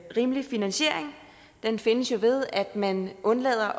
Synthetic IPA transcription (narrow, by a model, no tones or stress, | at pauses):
ʁiːməlifinænɕe̝̰ɐ̰eŋ | d̥enfe̝nəsjo̝ʋe̝ð̞ˠæd̥mænʔɔ̽nlɛ̰ːð̞̰ˠɐʔ